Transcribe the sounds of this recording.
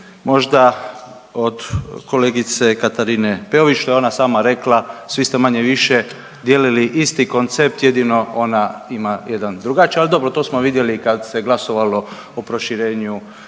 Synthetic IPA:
mo̞ʒd̪a | od̪ko̞leɡit̪se̞kat̪aɾinepeoʋit͡ʃʃt̪oeo̞nasaːmaɾe̞klasʋist̪emaɲeʋiʃe | d̪jeːliliʔist̪iko̞nt̪sep̚t̪jed̪ino̞o̞naimajed̪and̪ɾuɡat͡ʃialid̪o̞bɾot̪o̞ːsmoʋid̪je̞likad̪se̞ɡlˠasoʋalo̞ | opɾo̞ʃiɾeːɲu

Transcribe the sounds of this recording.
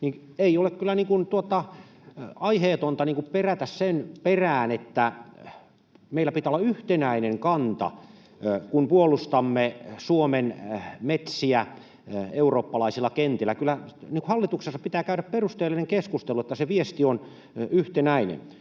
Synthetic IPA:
niː | eiolekkylːæniːŋkunt̪uot̪ɑ | ɑiheːt̪ont̪ɑniːŋkupperæt̪æssenperæːnet̪ːæ | meilːˑæpit̪æolːɑyht̪enæineŋkɑnt̪ɑ̰ | kunpuolust̪ɑmːesuomenmet̪siæ | euroːpːɑlɑisilːɑkent̪ilːækylːˑæniŋkuhɑlːit̪uksesːɑppit̪æːkæyɾæpperust̪eːlːineŋkeskust̪eluet̪ːæseʋiest̪ion | yht̪enæinḛn

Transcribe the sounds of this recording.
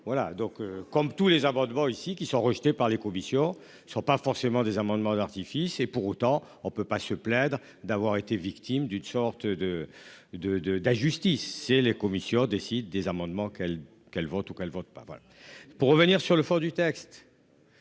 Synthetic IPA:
vwalad̪ɔ̃køkɔmt̪ulezamɑ̃d̪mɑ̃isikʲisɔ̃ʁəʒt̪epaʁlekɔmisjɔ̃ | sɔ̃pafɔʁsemɑ̃d̪ezamɑ̃d̪mɑ̃d̪aʁt̪ifisepuʁot̪ɑ̃ | ɔ̃pøpasəplɛd̪ʁ | d̪avwaʁet̪evikt̪ʰimd̪ynsɔʁt̪d̪əd̪əd̪əd̪aʒyst̪isːelekɔmisjɔ̃d̪esid̪ːezamɑ̃d̪mɑ̃kɛl | kɛlvɔt̪ukɛlvɔt̪̚pa̰vwa̰la̰puʁːəvəniʁsyʁləfɔ̃d̪yt̪ɛkst̪

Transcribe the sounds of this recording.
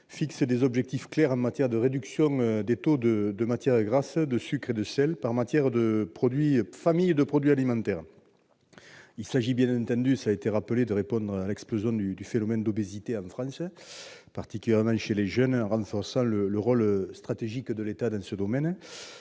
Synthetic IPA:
fiksəd̪ezɔbʒɛk̚t̪ifklɛʁɑ̃mat̪jɛʁəd̪əʁed̪yksjɔ̃ŋød̪et̪od̪əd̪əmat̪jɛʁəɡʁasəd̪əsykχed̪əsɛlpaʁmat̪jɛʁd̪əpχɔd̪ɥifamijd̪əpχɔd̪ɥialimɑ̃nt̪ɛʁ | ilsaʒibjɛ̃nɑ̃nt̪ɑ̃nd̪ysaːet̪eʁapəled̪əʁepɔ̃nd̪ʁalɛksplozjɔ̃d̪yd̪yfenɔmɛnd̪obezit̪eɑ̃fχɑ̃səpaʁt̪ikʲyljɛʁmɑ̃ʃeleʒœnɑ̃ʁɑ̃fɔʁsɑ̃lələʁɔlst̪χat̪eʒikd̪əlet̪ad̪ɑ̃səd̪ɔmɛn

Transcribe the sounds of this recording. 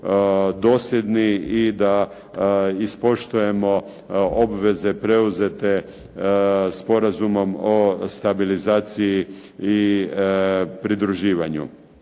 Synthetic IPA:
d̪o̞ːsled̪niid̪a | ispo̞ʃt̪uje̞mo̞ | obʋe̞ze̞pɾe̞uzet̪e̞ | spo̞ɾazumo̞most̪abilizaːt̪siji | i | pɾid̪ɾuʒiːʋaɲṵ

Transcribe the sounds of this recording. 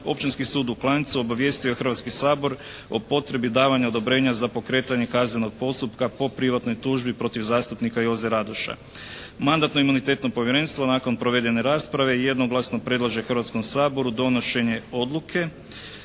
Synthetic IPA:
o̞̰pt͡ʃinskisuːd̪uklˠant̪suo̞baʋje̞st̪ioexr̩ʋat̪skisaːbo̞ɾ | o̞po̞t̪ɾe̞bid̪aːʋaɲaod̪o̞bɾe̞ːɲazapo̞kɾe̞ːt̪aɲe̞kaːzneno̞ɡ̚po̞st̪upkapo̞pɾiʋat̪no̞jt̪uːʒbipɾo̞t̪iʋzaːst̪upnikajo̞zeɾad̪uʃa̰ | mand̪at̪no̞imunit̪e̞ːt̪no̞po̞ʋjeɾe̞nst̪ʋo̞naːko̞npɾo̞ʋe̞d̪e̞ne̞ɾaːspɾaʋe̞je̞d̪no̞ɡlˠasno̞pɾe̞d̪lˠaʒexrʋat̪sko̞msaːbo̞ɾud̪o̞no̞ʃe̞ɲe̞o̞d̪lˠukʰe̞

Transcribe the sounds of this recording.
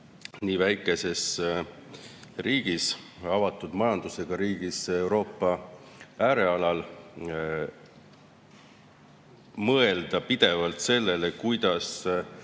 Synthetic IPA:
niːvæjkˑe̞se̞s | riːɡ̥is | ɑvɑt̪ːˑud̪̥mɑjɑnd̪̥use̞ɡ̥ɑɾiːɡ̥ise̞wɾo̞ːpːɑ | æːɾe̞ɑlɑl | mɤe̞ld̪̥ɑpid̪̥e̞vɑlt̪se̞lːe̞lekujd̪̥ɑs

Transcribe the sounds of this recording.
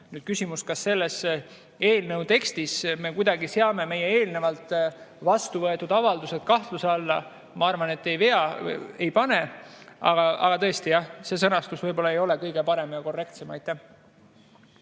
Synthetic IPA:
nyːd̥̪̚kysʲimuskɑsːe̞lːes | eːlnewt̪e̞kst̪isme̞kujd̪̥ɑɡiseɑme̞me̞jeeːlne̞vɑlt̪ˑvɑst̪uvɤe̞t̪ːˑud̪ɑvɑld̪uset̪kɑht̪luseɑlːɑ | mɑɑrvɑne̞t̪ːe̞jve̞ɑe̞jpɑne̞ɑ̰ɡɑɑ̰ɡ̥ɑt̪ɤ̞est̪ijɑhse̞sɤnɑst̪usvɤjbo̞lːɑejo̞le̞kɤjɡ̥e̞pɑɾe̞mɑjɑko̞rːe̞k̚t̪se̞mɑjt̪ːˑæh

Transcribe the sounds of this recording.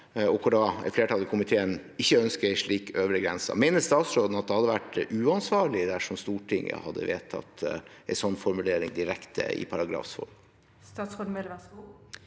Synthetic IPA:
ɔkʰɔɖɑɛ̰t̪fleːʈɑːləkʰʊmɪt̪ʰeːən | ɪçːəœnskəɪʂɭiːkøːʋɾəɡɾɛnsɑ̰mɛɪnəst̪ɑːt̪sɾoːd̪n̩ɑt̪̚d̪ɛhɑd̪ːəʋæʈʉːɑnsʋɑːɭɪd̪æʂɔmst̪uːʈʰɪŋːə̰hɑd̪ːə̰ʋḛːt̪ʰɑ̰t̪ːɛɪsɔnːfɔɾmʉleːɾɪ̰ŋd̪ɪɾɛkt̪ʰə̰ɪ̰pʰɑɾɑɡɾɑ̰ːfsfɔ̰lm | st̪ɑːt̪sɔɖmel

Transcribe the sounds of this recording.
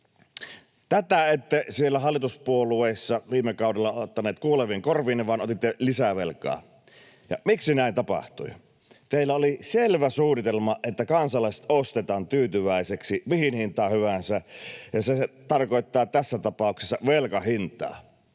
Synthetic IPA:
t̪æt̪æet̪ːesielːæhɑlːˑit̪uspuolueːsːɑʋiːmːekɑˑudelːɑot̪ːɑneːt̪kuoleʋiŋkorʋiːnːeʋɑnot̪it̪ːelisæʋelkɑ̰ː | jɑ̰miksinæˑint̪ɑpɑ̰ht̪ṵi | t̪eilːæoliselʋæsuːnit̪elmɑʔet̪ːækɑnsɑlˑɑˑise̥t̪ost̪et̪ɑːnt̪yːt̪yʋæˑiseksimihinhint̪ˑɑːhyʋænsæjɑset̪ɑrkoˑet̪ːɑːt̪æsːæt̪ɑpɑˑukse̥sːɑʋelkɑhint̪ˑɑ̰ː

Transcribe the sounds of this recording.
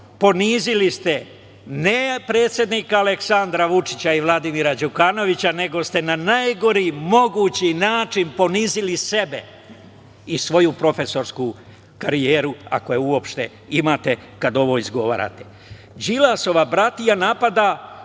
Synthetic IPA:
po̞niːzilist̪e̞ | nepɾe̞ːt̪sʲjed̪niːkaːle̞ksand̪ɾaʋut͡ʂit͡ɕaiʋlˠad̪imiːɾad͡ʑukano̞ʋit͡ɕane̞ɡo̞st̪e̞nanajɡo̞ɾimo̞ɡuːt͡ɕinaːt͡ʃinpo̞niːzilise̞be̞ | isʋo̞jupɾo̞fe̞so̞ɾsku | kaɾijeːɾua̰ko̞jeuo̞pʃt̪e | imaːt̪e̞kad̪o̞ʋo̞izɡo̞ʋa̰ːɾa̰t̪e̞̥ | d͡ʑilaso̞ʋabɾat̪ijanapad̪a

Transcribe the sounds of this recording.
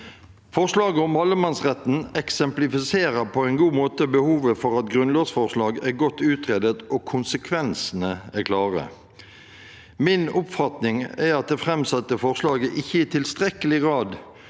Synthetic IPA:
fɔʁʂlɑːɡəɔmɑlːəmɑnsʁɛt̪n̩ɛksɛmplɪfɪseːʁəpʰɔɛɪnɡuːmoːt̪əbəhuːʋəfɔʁɑt̪ɡʁʉnlɑːɡsfɔʁʂlɑːɡæʁɡɔt̪ːʉːt̪ʁeːd̪ət̪ɔkʰʊnsəkʰʋɛnsənəækʰlɑːʁə̰ | mɪnʊpfɑt̪nɪŋæʁɑt̪̚d̪ɛfʁɛmsɑt̪ːəfɔʁʂlɑːɡəʔɪçːəɪt̪ʰɪlst̪ʁɛkəlɪɡʁɑːd̪

